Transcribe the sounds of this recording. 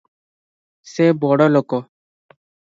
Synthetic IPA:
sebɔɽɔlokɔ

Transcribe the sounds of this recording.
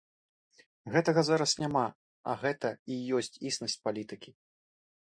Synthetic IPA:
ɣɛt̪ɐɣɐzaɾɐsnʲama | ɐ̰ɣɛt̪ɐijɔsʲt͡sʲisnɐsʲt͡sʲpalʲit̪ɨkʲi

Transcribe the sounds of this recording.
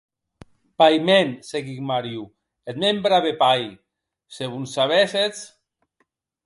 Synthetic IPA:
pajmenseɣikmaɾju | et̪membɾaβepaj | seβunsaβeset͡s

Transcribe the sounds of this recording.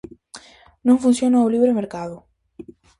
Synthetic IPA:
nõŋfũn̟sjonaoliβɾemeɾkaðʊ

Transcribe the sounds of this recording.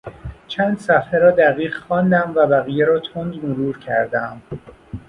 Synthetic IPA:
t͡ʃʰænd̪̥sæfheɾɒːd̪æɣiːʁxɒːnd̪æmvæbæɣijeɾɒːt̪ʰond̪moɾuːɾcʰæɾd̪æm

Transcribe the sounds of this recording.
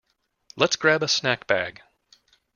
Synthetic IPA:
lətsɡ̥ɹæbəsnækb̥æɡ̥

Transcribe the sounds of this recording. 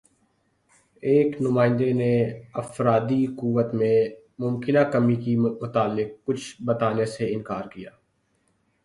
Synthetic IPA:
eːknʊmãːɪ̃nd̪eneɐfɾaːd̪ikuːʋət̪mẽ | mʊmkɪnakəmikimʊt̪aːlːɪk̚ːʊt͡ʃʰbət̪aːneseɪ̃nkaːɾkijaː

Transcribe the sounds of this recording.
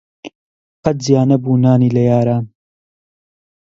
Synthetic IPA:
qɐt̪̚zijaːnɐbuːnaːniːlɐjaːɾaːn

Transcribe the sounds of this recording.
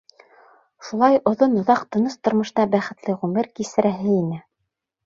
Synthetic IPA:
ʃulˠɑjŏðonŏðɑqt̪ɤ̆nɤst̪ŏɾmɤ̆ʃɤ̆nɑbæχɘ̆t̪lɘʁʉmɘɾkisɘ̆ɾæɦɘinɘ

